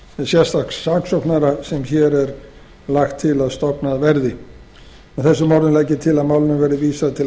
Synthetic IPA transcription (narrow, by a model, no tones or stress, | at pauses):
ɛsjɛ̥st̪axksːaːksɔwknaɾasɛmçɛɾɛɾ | laxt̪ʰːɪlaðst̪ɔpnaðvɛɾðɪ | aθɛsːʏmaːɾðʏnlɛːjcɪt̪ʰɪlaðmaːwlɪnʏvɛːɾɪviːsaðt̪ʰɪl